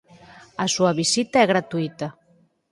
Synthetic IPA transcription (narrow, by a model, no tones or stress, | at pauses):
asuaβisit̪aɛɣɾat̪uit̪a